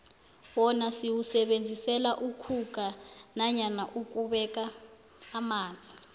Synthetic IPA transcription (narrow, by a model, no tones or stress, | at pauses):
wɔnasiwusɛɓend͡zʱisɛlaʔukʰuk̬ʼanaɲanaʔuk̬ʼuɓɛk̬ʼaː | maːnd͡zʱi